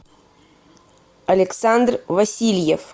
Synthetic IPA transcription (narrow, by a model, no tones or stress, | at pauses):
ɐlʲɪksand̪rvɐsʲilʲjef